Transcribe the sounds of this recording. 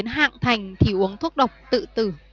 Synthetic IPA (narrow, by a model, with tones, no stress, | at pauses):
nɦa̰ː˧˨ŋt̪ʰa˨˩jŋ̟t̪ʰi˧˩ʔu˨˦əŋt̪ʰu˦˥ət̚ɗə˨˩wk͡p̚t̪ɨ̰˧˨t̪ɨ˧˩